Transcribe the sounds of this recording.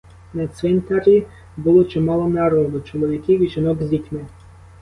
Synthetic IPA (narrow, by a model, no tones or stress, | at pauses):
nɛt̪t͡s̪ʋɛnʲt̪aɾʲi | bʊlˠɔt͡ʃɛmɑlˠɔmʲaɾɔd̪ɔt͡ʃɔlˠɔʋʲikʲiwʋʲit͡ʃɪnɔɡzʲikʲmɪ